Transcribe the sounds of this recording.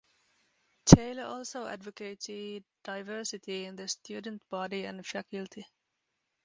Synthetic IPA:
tʰeɪləɔlˠsoʊæ̰dvəkeɪtɪd̥aɪvɜ˞sɪtʰiɪ̃nðɨstʰjʉːdən̩t̚b̥ɑdiɨ̰̃nfækʰɨltʰi

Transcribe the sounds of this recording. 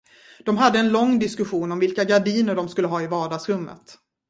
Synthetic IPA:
d̪̥ɔmɦad̪ːəɛnlɔŋːd̪ɪskɵɧuːnɔmvɪlkaɡaɖiːnəɖɔmskɵlːəɦɑːɪvɑːɖɑːɡsɾɵmːə̰t̪

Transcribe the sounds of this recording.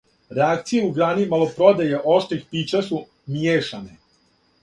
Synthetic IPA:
ɾeakt̪sije̞uɡɾaːnimalˠopɾod̪ajeʔo̞ʃt̪ɾixpiːt͡ɕasu | mjeːʃane

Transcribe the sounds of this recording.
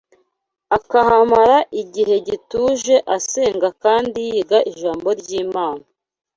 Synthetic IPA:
akahamaɾaʔiɟiɦe̞ɟituːʒe̞ʔase̞ːŋɡakaːndijiːɡaʔiʒaːmbo̞ɾɟiːmaːna

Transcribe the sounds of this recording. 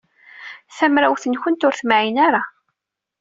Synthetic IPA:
θæmɾæwθənçənt̪ʊɾθmaʕinaɾa

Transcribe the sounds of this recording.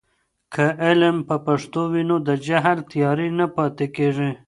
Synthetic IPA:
kʰəʔɪlmpəpaʂt̪owinod̪əd͡ʒaɦlt̪jɑɾinapɑt̪ekeʐi

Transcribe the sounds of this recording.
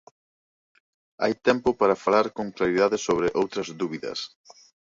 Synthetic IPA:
a̰jt̪ɛmpʊpaɾɐfalaɾkoŋklaɾiðaðɪsoβɾɪʔowt̪ɾɐzðuβiðɐ̰s

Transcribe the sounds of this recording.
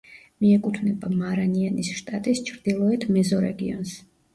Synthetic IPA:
miɛkʼut̪ʰvnɛbamaɾanianisʃt̪ʼat̪ʼist͡ʃʰɾd̪̥ilˠɔɛt̪ʰmɛzɔɾɛ̰ɡiɔ̰ns

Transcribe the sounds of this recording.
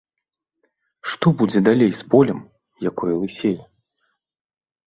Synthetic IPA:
ʂt̪ɔbud͡zʲɛd̪alʲejspɔlʲɛm | jakɔjɛlˠɨsʲejɛ

